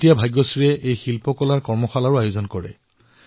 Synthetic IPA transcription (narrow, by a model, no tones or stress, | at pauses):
tijabʱajɡːɔsiɹɛejxilpɔkɔlaɹkɔɹmɔxalaɹʊajozɔnkɔɹɛ̰